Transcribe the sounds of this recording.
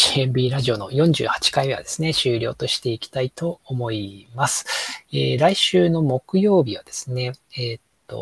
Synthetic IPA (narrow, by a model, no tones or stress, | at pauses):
iẽmbʲiːɾaʑio̞no̞jõ̞ɲ̟d͡ʑɨ̰ːhḁt͡ɕi̥kaime̞a̰d̪̥e̞sɨne̞ɕɨːɾʲo̞̰ːt̪o̞ɕi̥t̪e̞ikʲi̥t̪ait̪o̞ːmo̞imasɨ̥eːɾaiɕɨːno̞mo̞kɯ̟jo̞ːbʲiβad̪̥e̞sɨ̥ne̞eːt̪ːo̞̰